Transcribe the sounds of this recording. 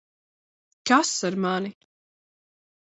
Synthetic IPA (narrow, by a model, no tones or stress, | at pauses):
kasaɾmani